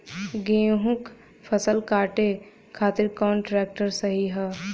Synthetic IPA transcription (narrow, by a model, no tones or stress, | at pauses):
ɡeɦũk | pʰəsəlkaːʈe | kʰaːt̪ɪɾkaːɳʈɾeːk̚ʈəɾsəɦiɦɛ